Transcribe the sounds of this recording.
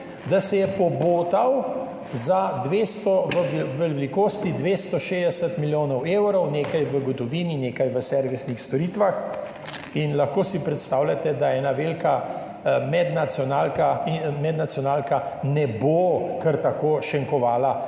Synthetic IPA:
d̪asɛjɛpɔboːt̪aw | zad̪ʋeːst̪ɔʋəʋɛllikoːst̪id̪ʋeːst̪ɔʃeːd̪ɛsət̪miljoːnɔweːwɾɔwneːkajʋəɡɔt̪ɔʋiːnineːkajʋəsɛɾʋisnixst̪ɔɾiːt̪ʋax | inlaxkoːsipɾɛt̪st̪aːwlʲat̪ɛd̪aɛːnaʋeːlka | mɛd̪nat̪sjɔnaːlkaimɛd̪nat̪sijɔnaːlka | nɛbokəɾt̪akoːʃɛŋkɔʋaːla

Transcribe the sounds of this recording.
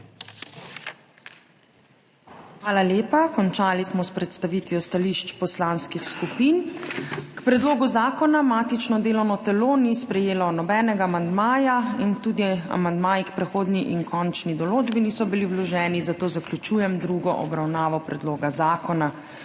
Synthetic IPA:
xʋaːlaljeːpakɔnt͡ʃaːlismɔspɾɛt̪st̪aʋiːt̪ʋjɔst̪aliʃt͡ʃpɔslaːnskixskupiːn | kpɾɛd̪loːɡuzaːkɔnamaːt̪it͡ʃnɔd̪eːlɔwnɔt̪ɛloːnispɾɛjeːlɔnɔbɛːnɛɡaːmand̪maːjaint̪uːd̪ia̰mand̪maːjikpɾɛxoːd̪niʔinkʰɔnt͡ʃnid̪ɔloːd͡ʒbinisɔbiliwlɔʒɛːnizat̪oːzaklʲut͡ʃuːjɛmd̪ɾuːɡɔʔɔbɾawnaːʋɔpɾɛd̪loːɡazaːkɔna

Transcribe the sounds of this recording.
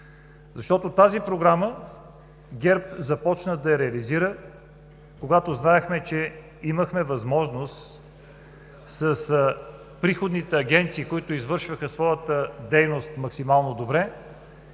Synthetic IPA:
zɐʃt̪ɔt̪ot̪azipɾoɡɾamə | ɡʲɛɾpzɐpɔt͡ʃnəd̪ɐɾɛɐliziɾə | koɡat̪oznaɛxmɛt͡ʃɛ | iməxmɛvɐzmɔʒnost̪ | sɐs | pɾixod̪nit̪ɛɐɡʲɛnt̪siːkoit̪ʊizvɤɾʃvəxəsvɔjət̪əd̪ɛjnost̪mɐksimalˠnod̪obɾɛ

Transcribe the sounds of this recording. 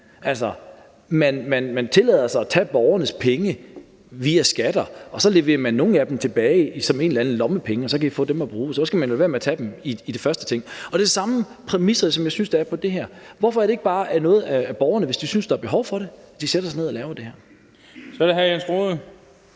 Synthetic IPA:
ʔælsɒ | mænmænmænt͡sʰe̝lɛ̰ːðˠɐsɑ̈ɪɒt͡sʰɛ̰ːb̥ɒʊɐnəspʰeŋə | ʋiæsɡ̥æd̥ɐʔɒ̽sɒ̽le̝ʋe̝̰ːɐmænːo̝ːn̩æd̥emt͡sʰe̝b̥ɛːɪsɒ̽me̝ːnlænð̩ˠlɒ̽məpʰeŋəɒsɒ̽kʰæifɔ̰̽ːd̥emɒb̥ʁuːsɒskɡ̥æmæne̝nʋɒlʋe̝ɐmeɐt͡sʰɛd̥emiid̥e̝fɶɐsd̥ət͡sʰe̝ŋ̰ɒ̽d̥esɑ̈mə | pʰʁɛmisɐsɒ̽mjɑ̈ɪsynseæɐpʰɒ̽d̥e̝ɦæɐ̰ʋɒfɒ̽æɐɾe̝e̝ɡ̥̚b̥ɑ̈ːʔæɐnɔ̽ːð̞̩ˠæːb̥ɒʊɐnəʋe̝sd̥isynsd̥ɑ̈ɑb̥e̝ɦɒʊfɒ̽ɾ̥e̝d̥iseɾɐsɑne̝ðˠɐlɛːʊd̥e̝hæɐ | sɒɾeɦæɐjænsɡ̥ʁoðˠ

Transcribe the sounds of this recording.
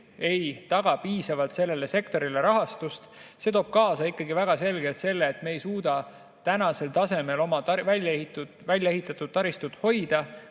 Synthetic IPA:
e̞jt̪ɑɡ̥ɑpiːsɑvɑlt̪se̞lːe̞le̞se̞kt̪o̞ɾile̞ɾɑɦɑst̪ust̪set̪o̞ːb̥̚kɑːsɑikːˑɑɡivæɡ̥ɑse̞lɡ̥e̞lt̪se̞lːe̞ːt̪me̞ːjsuːd̪̥ɑ | t̪ænɑse̞lt̪ɑse̞me̞lo̞mɑt̪ɑvælʲjehit̪ːu | vælʲjɑe̞ɦit̪ːˑɑt̪ːˑud̥̪̚t̪ːɑɾist̪ut̪ho̞jd̪̥ɑ

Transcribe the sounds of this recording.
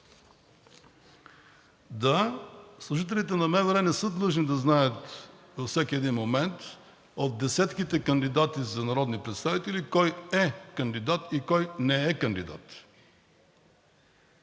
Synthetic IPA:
d̪aslˠuʒit̪ɛlʲit̪ɛnɐmɛvɾɛmɛsɤd̪lˠɤʒnid̪ɐznajət̪ | vəfsɛkʲiɛd̪inmomɛnt̪ | ot̪̚d̪ɛsɛt̪k̟it̪ɛkənd̪id̪at̪izɐnɐɾɔd̪nipɾɛt̪st̪avit̪ɛlikɔjɛkɐnd̪id̪at̪ikɔjnɛɛkɐnd̪id̪a̰t̪

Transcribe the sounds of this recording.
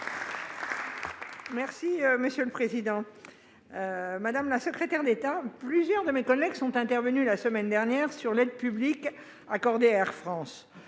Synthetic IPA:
mɛʁsiøməsjøləpχezid̪ɑ̃ | ømad̪amlasəkχet̪ɛʁd̪et̪aplyzjœʁd̪əmekɔlɛɡsɔ̃t̪ɛ̃t̪ɛʁvənylasəmɛnd̪ɛʁnjɛʁsyʁlɛd̪̚pyblik | akɔʁd̪eɛʁfχɑ̃s

